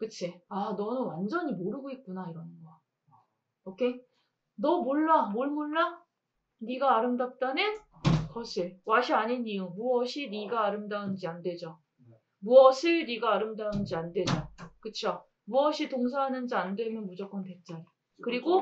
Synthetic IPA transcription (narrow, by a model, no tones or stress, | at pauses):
kɯt͡ɕʰeanʌnɯnwand͡ʑʌɲimoɾɯɡoit̚k͈unaiɾʌnɡʌ | okʰe | nʌmoɭːamoɭmoɭːa | niɡaːɾɯmdat͈ane | kʌɕʰiɭwaɕʰiaɲiniɯmuʌɕʰiniɡaːɾɯmdaɯnd͡ʑiandwe̞d͡ʑo | muʌsʰɯɭniɡaːɾɯmdaɯnɯnd͡ʑiandwe̞d͡ʑokɯt͡ɕʰo | muʌɕʰitoŋsʰaɦanɯnd͡ʑiandwe̞mjʌnmud͡ʑʌk͈ʌnte̞t͡ɕ͈aɾi | kɯɾiɡo